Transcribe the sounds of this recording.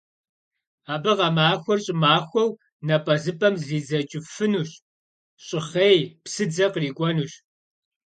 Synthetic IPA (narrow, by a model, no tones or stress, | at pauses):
aːbɨʁɐmaːxʷɔrɕʼɪmaːxʷɔw | nɐpʼɐzɨpʼɐmziːd͡zɐt͡ʃʼɪfɨnuːɕ | ɕʼɪχejpsɨd͡zɐqriːkʷʼɔnuːɕ